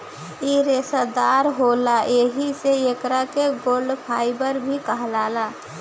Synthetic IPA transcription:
iɾesad̪aːɾɦolaeɦiseekɾakeɡoːlɖpʰaːɪbəɾbʱikəɦlaːla

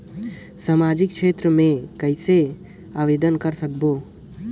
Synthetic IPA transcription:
samad͡ʒɪk̚kʃʰet̪ɾəmẽkəɪse | aʋed̪ənkəɾsək̚bo

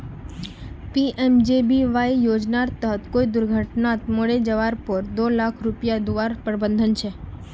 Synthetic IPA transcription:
piʔɛmd͡ʒebiʋajjod͡ʒnaɾt̪əɦət̪koid̪ʊɾɡʱəʈnat̪moɽed͡ʒəʋaɾpəɾd̪olakʰɾupjad̪uʋaɾpɾəbə̃nd̪ʱənt͡ʃʰe

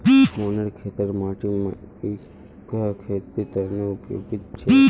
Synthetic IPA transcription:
monəɾkʰet̪əɾmaʈimãe | kakʰet̪it̪ənoʊpjo̰ɡit̪t͡ʃʰe

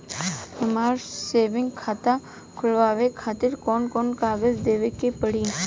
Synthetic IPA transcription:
ɪmaːɾseːʋɪ̃ŋɡkʰaːt̪a | kʰʊlʋaːʋekʰaːt̪ɪɾkɔːnkɔːnkaːɡəzd̪eːʋekepəɽiː

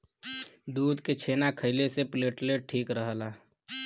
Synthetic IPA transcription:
d̪uːd̪ket͡ʃʰeːnakʰəɪlesepleːʈleʈʈʰiːkɾəɦəlaː

